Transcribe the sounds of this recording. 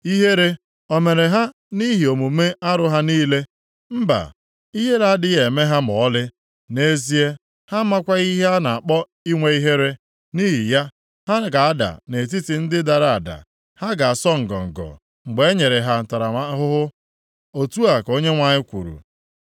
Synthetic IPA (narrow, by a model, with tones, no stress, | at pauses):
i˦ɦe˦ɾe˦ | o˨me˨ɾe˨ɦa˦ | ni˦ɦi˨o˨mu˨me˦a˦ɾʊ˦ɦa˦niː˦le˦ | m̩˦ba̰˨ | i˦ɦe˦la˦a˦dɪ˦ɣe˨me˦ɦa˦mɔ˨˦lɪ˦ | ne˦zi˦e˦ | ha˦ma˦kʷa˦i˦ɦe˦a˦na˨a˨k͡pɔ˦ | i˦ŋʷe˨i˦ɦe˦ɾe˦ | ni˦ɦi˨ja˦ | ha˦ɡa˨a˦da̰˨ne˨t̬i˦ti˨n̩˦dɪ˦da˨ɾa˦a˨da̰˨ | ha˦ɡa˨a˨sɔ˦ŋ̩˨ɡɔ̰˨ŋ̩˨ɡɔ̰˨ | ŋ͡m̩˨ɡ͡be˨˦ɲe˨ɾe˨ɦa˨n̩˨ta˨ɾa˨a˦ɦʊ˦ɦʊ˦ | o˨tu˦a˨ko˦ɲe˦ŋʷa˨ɲɪ˦kʷṵ˨ɾṵ˨